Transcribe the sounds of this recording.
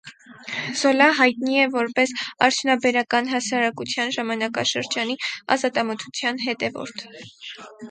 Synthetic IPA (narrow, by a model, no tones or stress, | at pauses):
z̥ɔlɑɦɑjt̪niɛvɔɾpɛsɑ̰ɾt̪ʰjunɑbɛɾɑkɑnɦɑsɑɾɑkut͡sʰjɑnʒɑmɑnɑkɑʃəɾd͡ʒɑniɑ̰zɑt̪ɑmət̪ʰu̥t͡sʰjɑnɦɛt̪ɛvɔ̰ɾt̪ʰ